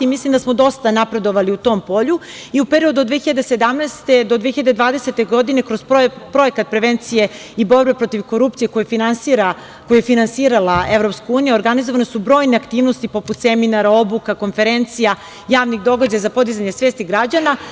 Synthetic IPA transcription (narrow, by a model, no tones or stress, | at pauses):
imislimd̪asmod̪o̞st̪anapɾe̞d̪o̞ʋaliut̪o̞mpo̞ʎu | iupe̞ɾio̞d̪ud̪vʋeçiʎad̪ese̞d̪amnɛst̪e̞d̪o̞d̪veçiʎad̪e̞d̪ʋaːd̪e̞set̪e̞ɡo̞d̪ine̞kɾozpɾo̞e̞kat̪̚pɾe̞ʋe̞nt̪sije̞ | ibo̞ɾbe̞pɾo̞t̪iʋko̞ɾupt̪sieko̞jufinansiɾa | kojujefinansiːɾalaevɾo̞pskauːnijuoɾɡanizoʋanesubɾo̞ːjneakt̪iːvnost̪ipo̞put̪seminaɾao̞bukako̞nfe̞ɾe̞nt̪sija | jaːʋniɣd̪o̞ɡad͡ʑajazapo̞d̪izaɲe̞sʋeːst̪iɡɾad͡ʑana